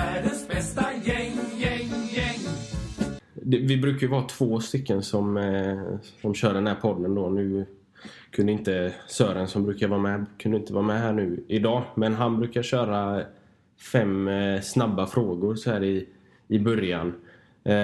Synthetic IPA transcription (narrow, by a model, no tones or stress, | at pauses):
æɖəsbɛst̪ajɛŋjɛŋjɛŋ | d̪ɛvɪbɾʉ̟ːkajvhɑt̪ʰv̥oːst̪ʏkːənsɔm | sɔmɕœːɖɛnhæːɾpʰɔd̪ːənd̪onʉ̟ː | kʰɵnd̪əɪnt̪əsœːɾənsɔmbɾʉːkaɾvɑːmɛkʰɵnɪnt̪əvɑːmɛɦæːɳʉ̟ːɪd̪ɑːmɛnɦanbɾʉ̟ːkaɾɕœːɾa | fɛmsnabːafɾoːɡʊɾsɔhæːɾɪ | ɪbœɾjan